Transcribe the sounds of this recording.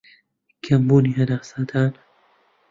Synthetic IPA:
kʰɐmbuːnihɐnaːsaːd̪aːn

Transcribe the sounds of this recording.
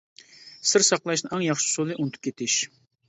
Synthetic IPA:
sɪɾsɑqlˠɑʃnɨɑŋjɑχʃɪ̥solˠɨʔunt̪ʰu̥pkʲʰet̪ʰɪʃ

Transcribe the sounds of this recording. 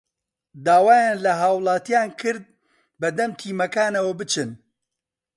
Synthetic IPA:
d̪aːwaːjaːnlɐɦaːwlˠɑːt̪ijaːnkʰɨɾd̪̚ | bɐd̪ɐmt̪ʰiːmɐkaːnɐwɐbɨt͡ʃʰɨn

